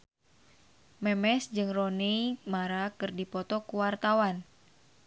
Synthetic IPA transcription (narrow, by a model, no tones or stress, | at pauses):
mɛmɛsd͡ʒɨŋrɔneimaɾakɨrdipɔt̪ɔkuwart̪awan